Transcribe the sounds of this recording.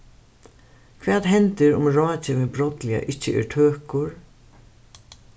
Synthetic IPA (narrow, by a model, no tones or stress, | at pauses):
kʰvɛːt̪ɦɛnt̪ɪɾʊmɾɔːt͡ɕɪvɪðbɾɔt̪lɪa̰ʔɪht͡ɕːɪʔɪ̰ɾt̪ʰøːhkʊɹ